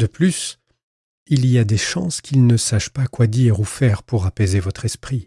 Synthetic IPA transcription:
d̪əplys | iliad̪eʃɑ̃skʲilnəsaʃpakwad̪iʁufɛʁpuʁapezevɔt̪χɛspχi

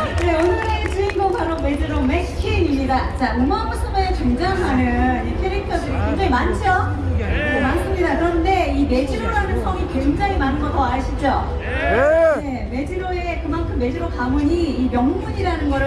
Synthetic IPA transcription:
ne̞ʌnɯɾet͡ɕɯinɡʌpaɾome̞d͡ʑɯɾome̞kʰiɲimɲidat͡ɕaomamaɭs͈ɯmekweŋd͡ʑaŋmanɯnikʰeɾik̚tʰʌdɯɾikweŋd͡ʑaŋimant͡ɕʰo | nemans͈ɯmɲidakɯɾʌnde̞ime̞d͡ʑiɾoɾanɯnsʰʌŋikwe̞ŋd͡ʑaŋimanɯnɡʌtʰʌaɭɕʰid͡ʑo | ne̞ | me̞d͡ʑiɾoe̞kɯmankʰɯmːe̞d͡ʑiɾokamuɲiimjʌŋmuɲiɾanɯnɡʌ

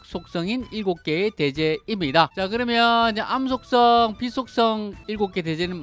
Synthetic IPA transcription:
k̚sʰok̚s͈ʌŋiniɭɡok̚k͈eːte̞d͡ʑe̞imɲidat͡ɕakɯɾʌmjʌd͡ʑeʔamsʰok̚s͈ʌŋpisʰok̚s͈ʌŋiɭɡok͈e̞de̞d͡ʑenɯn

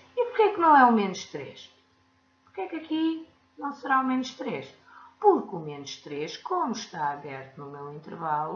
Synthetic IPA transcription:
ipuɾkɛknɐ̃w̃ɛumenuʃt̪ɾeʃ | puɾkɛkɐki | nɐ̃w̃sɨɾaumenuʃt̪ɾeʃ | puɾkumenuʃt̪ɾeʃkomuʃt̪aɐβɛɾt̪unumewĩnt̪ɨɾvalˠu

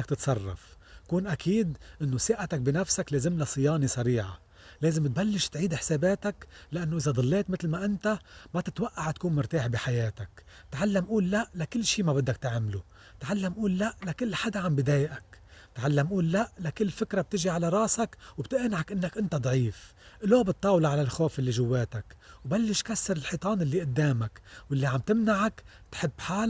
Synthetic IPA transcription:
ak̚t̪ɪt̪sˤɑrˤːɑ̰f | kuːnʔakʰiːd̪ʔɪnːosɪʔat̪ak̚binafsakleːzɪmlasˤɨjɑːnisˤaɾiːʕa̰ | leːzɪmt̪̚balːɪʃt̪ʕiːd̪ɪħseːbeːt̪aklaʔanːoʔɪzad̪ˤɑlːeːt̪mɪt̪lmaʔɪnt̪amat̪ɪt̪waʔːaʕt̪kuːnmʊɾt̪aːħbiħajeːt̪akt̪ʕalːamʔuːlːaʔlakɪlːʃiːmabɪd̪ːakt̪aʕmlu | t̪ʕalːamʔuːlːaʔlakɪlːħad̪aʕambɪd̪eːjʔakt̪ʕalːamʔuːlːaʔlakɪlːfɪkɾab̚t̪ɪʒiʕalaɾˤɑːsakwbt̪ɪʔnʕakʔɪnːakʔɪnt̪ad̪ˤʕiːf | ʔlobɨt̪ˤːɑːwlɑʕalalxoːfʔɪlːiʒʊwːeːt̪akwbalːɪʃkasːɑɾɪlħit̪ˤɑːnʔɪlːiʔʊd̪ːeːmakwʔɪlːiʕamt̪ɪmnaʕakt̪ħɪbːħaːl

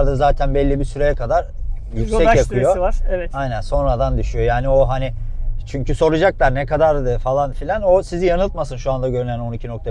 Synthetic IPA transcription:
ɾd̪azaːt̪ʰænbɛlʲːibisyɾejɛkʰad̪aɾ | jycssɛcjakʰɯjo̞ɾɛvɛt̪ajnænso̞nɾad̪and̪yʃyjo̞jaːnio̞ɦanɪt͡ʃʰyɲcʰyso̞ɾud͡ʒaklˠaɾnɛkad̪aɾɯfalˠanfilʲano̞sizijanɯlˠt̪masɯnʃuand̪aɟø̞ɾynæno̞nicʰino̞k̚t̪ʰa

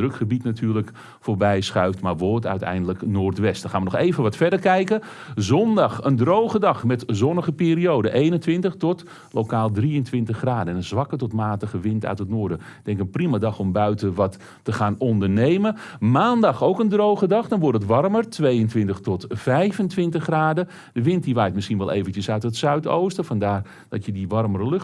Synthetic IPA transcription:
drɵkχəbitnatʰyːɹlək | foːrbɛjsχœɥftmarʋɔɹtœ̰ɥtɛ̰jndələknoːrtʋɛstəχaːnʋənɔxejvənʋɔtfɛɹdərkɛjkə | zɔndɑxəndrowχədɑxmɛtzɔnəɣəpiːriowdəʔejnəntʋɪntəxtɔt | lokaːlˠdriəntʋɪntəχraːdəɛnənzʋɑkətɔtmaːtəχəʋɪntœ̰ɥtətnʊːɹdəd̥ɛŋkənprimadɑχɔmbœɥtəʋɑtː | əχaːnɔndərnejməmaːndɑχowkəndrowχədɑχdɔnʋɔrtətʋɑrmərtʋejəntʋɪntəχtɔtv̥ɛjvəntʋɪntəχraːdə | d̥əʋɪntdiʋajtmɪsxinʋɛlˠʔḛːvənəsœɥtətsœɥto̰wstəfɑndaːr | dɔtjədiʋɑrmərəlɵx

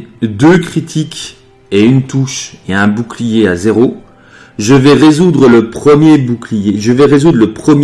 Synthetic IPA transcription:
d̪økχit̪ʰik | eynt̪uʃeɛ̃buklijeazeʁo | ʒəvɛʁezud̪ʁələpχəmjebuklijeʒəvɛʁezud̪ʁləpχəmj

